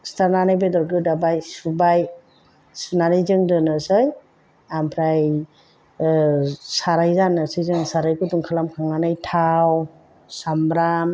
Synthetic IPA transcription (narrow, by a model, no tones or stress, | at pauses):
staɾnanajbedɔɾɡɯdabajsubaj | sunaɾɯjzɯŋdɯnɯsɯj | ampʰɾaj | saɾajzanɯsɯjzɯŋsaɾajkɯtuŋkʰalamkʰaŋnanɯjtʰaw | samɾam